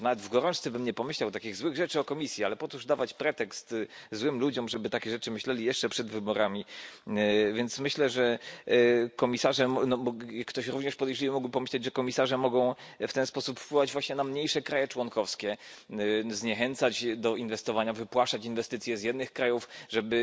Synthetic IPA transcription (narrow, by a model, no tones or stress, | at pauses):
navɛd̪vɡɔɾɔ̃nt͡ʂt̪sɛbɛmɲɛpɔmɘɕlawt̪akʲiɣzwɘɣʐɛt͡ʂɘɔkɔmʲisʲjialɛpɔt̪uʐd̪avat͡ɕpɾɛt̪ɛkst̪zwɘmlud͡ʑɔmʐɛbɘt̪akʲɛʐɛt͡ʂɘmɘɕlɛlʲijɛʂt͡ʂɛpʂɛd̪vɘbɔɾamʲi | vʲjɛnt̪smɘɕlɛʐɛ | kɔmʲisaʐɛmɔnɔɔjakːt̪ɔɕɾuvɲɛʂpɔd̪ɛjʐlʲiwmuɡwpɔmɘɕlɛd͡ʑʐɛkɔmʲisaʐɛmɔɡɔ̃w̃ft̪ɛnspɔsupfpwɘwad͡ʑvwaɕɲɛnamɲejʂɛkɾajɛt͡ʂwɔŋkɔfskʲɛ | zɲɛxɛnt̪sat͡ɕd̪ɔʔinvɛst̪ɔvaɲavɘpwaʂat͡ɕinvɛst̪ɘt̪sʲjɛzjɛd̪nɘxkɾajufʐɛbɘ